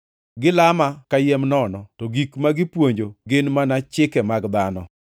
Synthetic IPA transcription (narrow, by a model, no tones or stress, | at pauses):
ɡɪlamakajɛmnɔnɔtɔɡikmaɡɪpwoɲd͡ʒoɡenmanat͡ʃɪkɛmaɡd̪anɔ